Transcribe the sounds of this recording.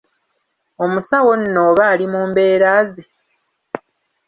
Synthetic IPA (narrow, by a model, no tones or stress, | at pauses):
o̞musawo̞nːoβaːlimuːmbe̞ːɾaːze